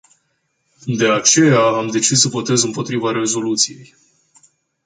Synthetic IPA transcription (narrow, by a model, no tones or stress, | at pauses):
d̪e̞at͡ʃe̞jaːmd̪e̞t͡ʃissəvo̞t̪e̞zɨmpo̞t̪ɾivaɾe̞zo̞lut̪sije̞j